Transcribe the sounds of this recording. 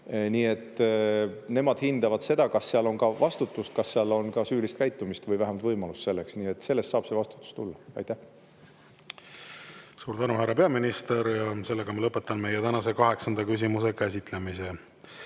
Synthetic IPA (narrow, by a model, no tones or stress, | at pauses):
niːe̞t̪ˑː | ne̞mɑd̪̥hind̪̥ɑvɑd̪̥se̞d̪̥ɑkɑsːeɑlo̞nkɑvɑst̪ut̪ːˑust̪̚kɑsːeɑlo̞nkɑsyːlist̪kæjt̪ːˑumist̪vɤjvæɦæmɑlt̪vɤjmɑlust̪se̞lːe̞ksniːe̞t̪ːse̞lːe̞st̪sɑːb̥se̞vɑst̪u̥t̪ːˑu̥st̪ulːɑɑ̰jt̪ːæh | suːɾd̪ænuhæɾːɑpe̞ɑminist̪e̞ɾjɑse̞lːeɡ̥ɑmɑlɤpːˑet̪ːˑɑnme̞jet̪ænɑse̞kɑɦe̞ksɑnd̪̥ɑkys̬ʲimuse̞kæs̬ʲit̪ˑlemise